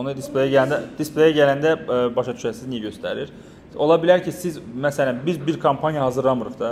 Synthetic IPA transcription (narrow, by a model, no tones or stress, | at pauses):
onud̪isplˠejaɟælænd̪ɛd̪̥isplˠejaɟælʲænd̪ɛbɑʃat̪ʰy̥ʃæɾsiznijɛɟø̞st̪ʰæ̰ɾiɾ | o̞lˠabilʲæɾcʰisizmæsælʲæbiɾbiɾkʰampʰanjaɦazɯɾlˠamɯɾɯχd̪a